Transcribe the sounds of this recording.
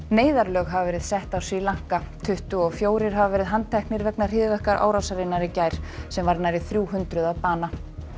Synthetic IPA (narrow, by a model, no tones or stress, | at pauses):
neːjðaɾlœːɣɦavavɛːɾɪðsɛht̪awsvilaŋ̥kat̪ʰʏht̪ʏɔɣfjoːwɾɪɾ̥ɦavavɛːɾɪðɦant̪ʰɛhknɪɾvɛknḁɪːðvɛhkaɾʔa̰ːwɾawsaɾɪnːaɾɪcajɾ̥sɛmvaɾnajɾɪθɾjuːɦʏnt̪ɾʏðaðpaːna